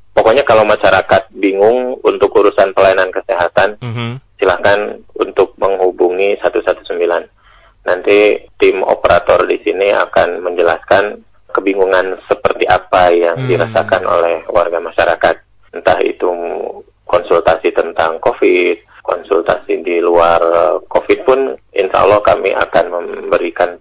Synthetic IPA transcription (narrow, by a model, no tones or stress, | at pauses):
pokoɲakalawmaʃaɾakat̪̚biŋʊŋṵnt̪ʊkuɾusanpəlaanankəseɦat̪ansilahkanunt̪ʊk̚məŋɦubuŋisat̪usat̪u̥səmbilanː | ant̪it̪ɪmo̰pəɾat̪ɔrdisinia̰kanməɲd͡ʒəlaskan | kəbiŋuŋansəpərt̪iʔapajaŋdiɾasakanʔo̰lɛhwarɡamaʃaɾakat̪̚ | nt̪ahḭt̪u | kɔnsult̪asit̪ənt̪aŋkofɪt̪̚kɔ̰nsult̪asidiluarkofɪt̪̚pʊnḭnʃa̰a̰lːɔhka̰miʔa̰kanməmbəɾikan